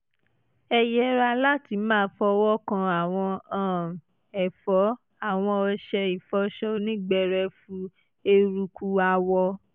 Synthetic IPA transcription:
ɛ˧jɛ˦ɾa˧la˦ti˨˧˦mãː˦˨˦fɔ˧˦˧wɔ˦kã˧a˨w̃ɔ̃˧ã˦˨ | ɛ˨fɔ˨˦ | a˦˨w̃ɔ̃˧ɔ˧ʃɛ˧i˨fɔ˨˦ʃɔ˦nĩ˦ɡ͡bɛ˦ɾɛ˧fũ˧˦ | e˧ɾu˧ku˧a˧wɔ˧

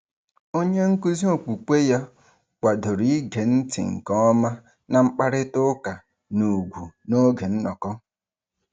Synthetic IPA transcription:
o˦ɲe˦ŋ̩˦ku˦zi˦o˦˨k͡pu˨ke˦ja˦ | kʷa˨do˨ɾi˦ɡe˨n̩˦tɪ̰˨ŋ̩˨kɔ˦ma˦ | na˨ŋ͡m̩˦k͡pa˦ɾɪ˦tʊ˦ka˨ | nu˨ɡʷu˨no˦ɡe˨n̩˦nɔ˨kɔ˦

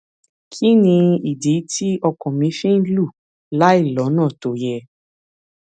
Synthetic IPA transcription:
kʰi˦nĩ˧i˨di˨˦ti˦ɔ˧kɔ̃˨mĩ˧˦fĩ˦lu˦˨ | la˦i˦˨lɔ˨˦nãː˦˨to˨jɛ˧

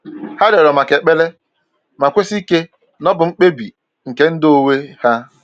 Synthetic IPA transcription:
ha˦de˨ɾɔ˨ma˨ke˨k͡pe˦le˦ | ma˨kʷe˦si˦ke˦ | nɔ˦bʊ˨ŋ͡m̩˦k͡pe˦bi˨ | ŋ̩˨ke˦n̩˦do˦we˦ha˦

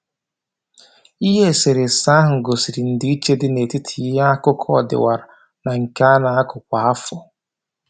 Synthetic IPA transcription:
i˦ɦe˦˨se˨ɾe˨sa˦ɦʊ˨ŋ̩˨ɡo˨si˨ɾi˨n̩˨dɪ˦i˦t͡ʃe˦dɪ˦ne˨ti˦tʰi˨˦i˦ɦa˦a˦kʊ˦kʰɔ˦ɔ˨dɪ̰˨wa˨ɾa˨ | na˨ŋ̩˨ka˦a˦na˨a˦kʊ˨k̚ʷa˨a˦fʊ˦˨

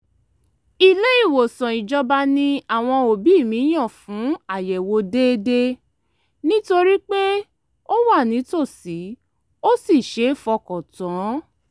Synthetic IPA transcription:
i˨le˦i˦˨wo˨sɔ̃˨i˨d͡ʒɔ˧ba˧nĩ˧a˨w̃ɔ̃˧o˨bi˨˦˨mĩ˨˦j̃ã˦˨fũ˨˦a˦˨jɛ˨wo˧de˦de˦ | nĩ˦to˧ɾi˦k͡pe˦ | o˦wa˦˨nĩ˨˦to˦˨si˨˦ | o˦si˦˨ʃe˨˦˨fɔ˧kɔ˨tã˨˦

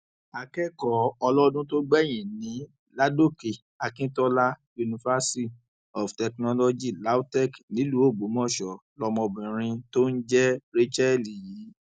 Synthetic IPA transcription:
a˨kɛ˦kɔ˨ɔ˧lɔ˦ɔ˧˦dũ˦to˦ɡ͡bɛ˦˨j̃ĩ˨nĩ˨˦ | la˦do˦ke˨ | a˧kĩ˦tɔ˦la˦ju˧nĩ˧fa˦si˦ | ɔ˨ftɛ˨knɔ˦lɔ˧d͡ʒi˦˨la˨˦tɛ˦˨knĩ˨˦lu˨˦o˦˨ɡ͡bo˨˦mɔ̃˦˨ʃɔ˨lɔ˧mɔ̃˧bĩ˨ɾ̃ĩ˧to˦n̩˦d͡ʒɛ˦ɾe˦t͡ʃɛ˦˨li˨ji˨˦

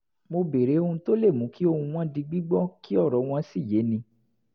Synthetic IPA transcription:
mo˧be˨ɾe˨˦o˧ũ˧to˦le˦˨mũ˨˦ki˦o˧hũ˧w̃ã˦di˧ɡ͡bi˦ɡ͡bɔ˦ki˦ɔ˦˨ɾɔ˨˦w̃ɔ̃˧si˦˨je˨˦nĩ˧

